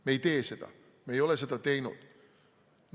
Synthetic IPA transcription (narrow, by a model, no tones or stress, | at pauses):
mejt̪eːset̪æ̰ | mejoleset̪æt̪einṵt̪ | n